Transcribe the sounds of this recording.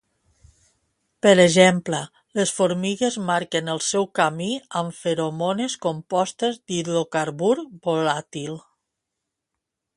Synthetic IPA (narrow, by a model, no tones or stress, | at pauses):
pəɾəʒemplə | ləsfoɾmiɣezmaɾkənəlˠsɛwkamiəɱfeɾomoneskompɔst̪əzd̪ilokaɾβuɾbolat̪ilˠ